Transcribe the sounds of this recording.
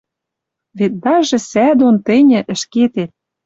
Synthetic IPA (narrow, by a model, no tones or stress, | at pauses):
βet̪̚d̪ɑʒĕsæd̪ont̪ɘ̆nʲɘ̆ʔə̆ʃket̪et̪̚